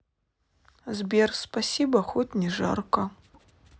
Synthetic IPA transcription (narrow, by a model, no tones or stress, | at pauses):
zbʲerspasʲibɐxɔtʲnʲɛʐa̰rkɐ